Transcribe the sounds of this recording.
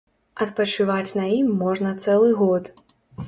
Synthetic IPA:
ɐt̪pɐt͡ʂɨvat͡sʲnɐimːɔʐnɐt̪sɛlˠɨɣɔt̪

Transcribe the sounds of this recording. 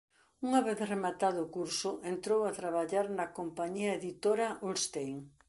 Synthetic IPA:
uŋaβeθremat̪aðʊːkuɾsʊʔent̪ɾowat̪ɾaβaʎaɾnɐkompaɲiɐeðit̪oɾaʔulst̪ejŋ

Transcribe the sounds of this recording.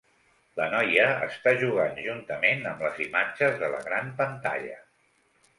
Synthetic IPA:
lənɔjəːst̪aʒuɣ̞anʒunt̪əmenəmləzimad͡ʒəzðələ̰ɣɾampənt̪a̰ʎə

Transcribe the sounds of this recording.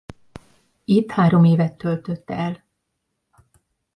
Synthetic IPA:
it̪haːɾo̞meːvɛt̪ːølt̪øt̪ːɛl

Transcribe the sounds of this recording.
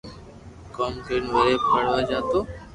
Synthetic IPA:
koːmkəɾnʋəɾeːpʰəɽ̤ʋaːd͡ʒaːt̪oː

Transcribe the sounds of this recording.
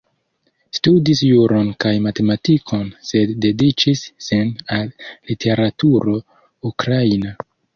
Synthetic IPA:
studisjuɾo̞nkajmate̞matikʰo̞nse̞dːe̞dit͡ʃisːinallitʰe̞ɾatuɾo̞ | ukɾaina

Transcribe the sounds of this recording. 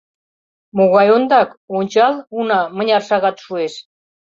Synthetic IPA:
moɣɑjond̪ɑkonʲt͡ɕɑlunɑmə̆nʲɑrʃɑɣɑt̪ʃueʃ

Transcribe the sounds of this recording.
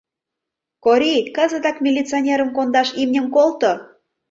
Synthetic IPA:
koɾʲikɑzət̪ɑkmʲilʲit͡sɨonʲeɾə̆mkond̪ɑʃimnʲə̆mkolt̪o

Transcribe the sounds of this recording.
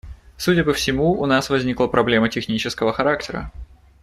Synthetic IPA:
sudʲəpəfsʲɪmuʊnasvɐzʲnʲiklˠəpɾɐblʲe̞mətʲɪxnʲit͡ɕɪskəvəxɐɾaktʲɪɾə̰

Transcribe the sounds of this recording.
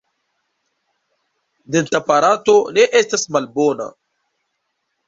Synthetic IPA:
d̪entapaɾatoneʔestasmalbona̰

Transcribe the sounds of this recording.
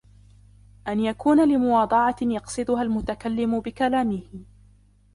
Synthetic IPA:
ʔanjakuːnalɪmʊwɑːd̪ˤɑʕɑjɑqsˤɨd̪ʊɦalmʊt̪akalːɪmʊbɪkalaːmɪhɪ

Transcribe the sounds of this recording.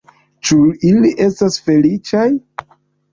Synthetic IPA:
t͡ʃuiliʔe̞stasfe̞lit͡ʃaj

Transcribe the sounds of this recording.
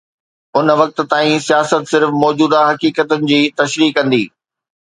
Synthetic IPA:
ʊnʋɐk̚t̪̆t̪aːĩsijaːsət̪sɪɾfmɔːd͡ʑuːd̪aɦɐkiːkət̪ʊnɪ̆d͡ʑiːt̪ɐʃɾiːkːɐ̃nd̪iː

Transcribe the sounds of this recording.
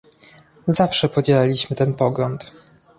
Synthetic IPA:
zafʂɛpɔd͡ʑɛlalʲiɕmɘt̪ɛnpɔɡlɔnt̪

